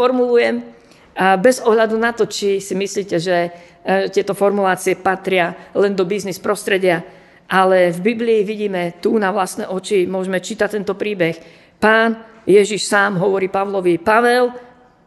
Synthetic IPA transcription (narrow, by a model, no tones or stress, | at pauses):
fɔɾmulujɛm | bɛzɔɦʎad̪unat̪ɔt͡ʃisimisliːcɛʒɛ | ɛt̪ɪɛt̪ɔfɔɾmulaːt͡siɛpat̪ɾɪalɛnd̪ɔbiznispɾɔst̪ɾɛɟɪa | ʔalɛvbibliːʋiɟiːmɛt̪unaʋlast̪nɛ̰ːʔɔt͡ʃimʊɔʒɛmɛt͡ʃiːt̪ac̚t̪ɛnt̪ɔpɾiːbɛx | paːn | jɛʒiʃsaːmɦɔʋɔɾiːpaʋlɔʋipaʋɛl